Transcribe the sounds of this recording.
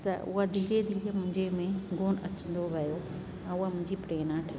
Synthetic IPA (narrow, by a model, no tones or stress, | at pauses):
t̪ɐ̰ʊ̰ɦad̪ʱiːɾed̪ʱiːɾemʊ̃ɦɪ̃ɲd͡ʑemẽɡoːnɐ̰t͡ɕə̃nd̪oʋɐjo | ɛ̃ːʊɦamʊ̃ɦɪ̃ɲd͡ʑipɾeːnaʈʰɐ